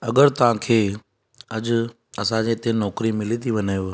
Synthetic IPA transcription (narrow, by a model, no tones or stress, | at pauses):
ɐɡəɾt̪ɐʋ̤ãkʰeː | ɐʄ | ɐsãd͡ʑeɪt̪ẽnɔːkɾimɪlit̪ʰiʋɐnaːjo